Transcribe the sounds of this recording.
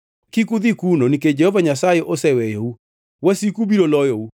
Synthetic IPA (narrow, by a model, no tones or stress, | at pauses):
kikuðikunoniked͡ʒɛhɔvaɲasaeʔosɛwɛjou | wɛsikubiɾolɔjou